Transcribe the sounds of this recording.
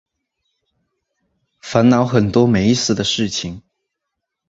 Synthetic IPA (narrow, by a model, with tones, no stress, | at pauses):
fa˧˥nnɑ˧˥ʊxə˨˩nt̪wɔ˥me˧˥ɪsɹ̩˥˩d̪ə˩ʂɻ̩˥˩t͡ɕʰi˨˩ŋ